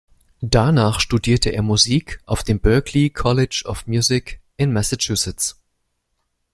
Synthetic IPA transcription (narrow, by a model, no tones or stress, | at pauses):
d̥anaːχʃtudiːɐtʰəʔḛːɐmuziːkʰʔaʊfd̥eːmbœɐklikʰɔlɪd͡ʒɔfmjuːzɪkʔɪnmɛsat͡ʃusɪt͡s